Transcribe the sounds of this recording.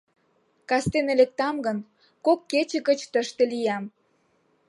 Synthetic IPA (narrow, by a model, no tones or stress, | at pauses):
kɑst̪enelek̚t̪ɑmɡən | kokːet͡ɕə̆ɣət͡ɕt̪əʃt̪elijɑm